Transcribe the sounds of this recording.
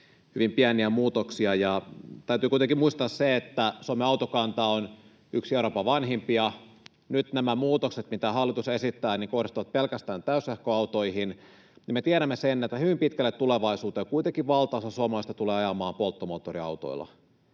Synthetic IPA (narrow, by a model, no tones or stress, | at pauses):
hyʋimpiæniæmuːt̪oksiɑjɑt̪æyt̪yːkuit̪eŋkimuist̪ɑːsseet̪ːæsuomeɑut̪okɑnt̪ɑon | yksieuɾopːɑʋɑnɦimpiɑ | nyt̪næmæmuːt̪okset̪mit̪æhɑlːˑit̪usesit̪ːæːniŋko̞hdist̪uʋɑt̪̚pelkæst̪æːnt̪æysehkoɑwt̪o̞ihin | nimet̪iæɾæmːesenːet̪ːæhyʋimpit̪kælːet̪ːuleʋɑisuːt̪eːkuit̪eŋkiʋʋɑlt̪ɑɑsɑsuɑmelɑist̪ɑt̪uleːɑjɑmɑːmpolt̪ːomoːt̪ːoriɑ̰wt̪o̰ilːˑɑ̰